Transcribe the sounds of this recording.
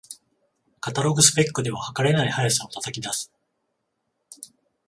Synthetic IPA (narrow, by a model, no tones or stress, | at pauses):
kat̪aɾo̞ɡɯ̟sɨ̥pe̞kːɯ̟d̪e̞βahakaɾe̞naihajasãot̪at̪akʲid̪asɨ̥